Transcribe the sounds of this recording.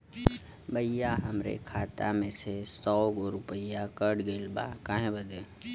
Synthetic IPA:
bəijaɦəmɾḛkʰaːt̪a̰mẽsesɔːɡoɾʊpəjakəɽɡeːlba̰kaːɦẽbəd̪e

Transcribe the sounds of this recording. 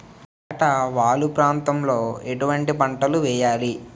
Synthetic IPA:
aːʈɐʋaːlupɾaːnt̪ɐmlo̞ːeʈuʋɐɳʈipɐɳʈɐluʋɛːjaːli

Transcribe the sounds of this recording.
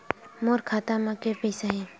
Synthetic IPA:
moːɾkʰaːt̪amãkeɾpəjsaɦɛː

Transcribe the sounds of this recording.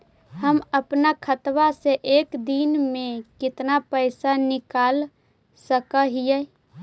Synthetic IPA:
ɦəməpnakʰət̪waseʔeːkd̪inmẽkɪt̪napəɪsanɪkaːl | səkəɦijɛ

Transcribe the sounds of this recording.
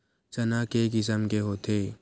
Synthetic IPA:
t͡ʃɐnaːkekɪs̬əmkeɦoːt̪ʰeː

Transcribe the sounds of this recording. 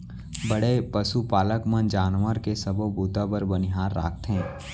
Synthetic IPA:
bəɽepɐsupaːləkmənd͡ʒaːnʋəɾkesɐbobuːt̪abəɾbənɪɦaːɾːa̰ːk̚ʰt̪ɦɛ̃ː

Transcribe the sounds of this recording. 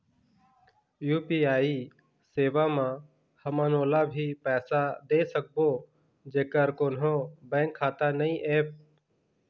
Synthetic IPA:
juːpiːaːiː | seːʋaːmãː | həmãːnoːlaːbʱiːpɛːsaːd̪eːsək̚boː | d͡ʒeːkəɾkoːnɦoːbɛ̃ːŋkʰːaːt̪aːnəĩːʔeːp̚

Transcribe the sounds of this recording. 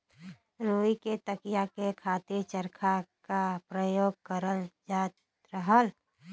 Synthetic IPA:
ɾoːiket̪əkijakekʰat̪iɾt͡ʃəɾkʰakapɾəjoːɡ̚kəɾəld͡ʒaːt̪ | ɾəɦəl

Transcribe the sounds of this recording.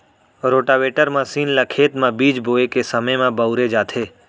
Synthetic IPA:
ɾoːʈaːʋeːʈəɾmə̃siːnlɐkʰeːt̪mãbiːd͡ʒboːekesɐməjmãbəʊɾed͡ʒaːt̪ʰeː

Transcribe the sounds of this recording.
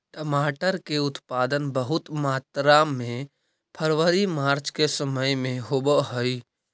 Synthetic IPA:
ʈəmaːʈəɾkeʊt̪paːd̪ənbəɦʊt̪maːt̪ɾaːmːẽ | pʰəɾʋəɾimaːɾt͡ʃkesəməjmẽɦobəɦoi

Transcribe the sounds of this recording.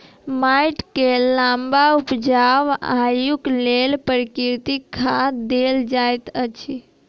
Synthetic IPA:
majʈkelãmbaupd͡ʒaʋajuklelpəɾkiɾt̪ikʰːad̪eld͡ʒajt̪ət͡ʃʰi

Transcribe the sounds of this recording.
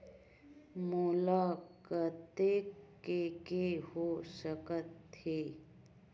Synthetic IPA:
moːlaːkət̪ekː | ekehoːsəkət̪ːeː

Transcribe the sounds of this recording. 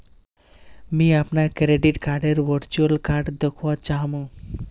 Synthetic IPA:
mĩapnakɾeɖiʈkaɾɖeɾʋəɾt͡ʃuəlkaːɾɖd̪əkʰʋɔt͡ʃaɦmũ

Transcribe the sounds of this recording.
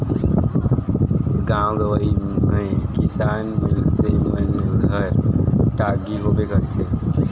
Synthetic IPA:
ɡãw̃ɡəʋəimekisanmilsemənɡʱəɾʈaɡiɦobekəɾt̪ʰe

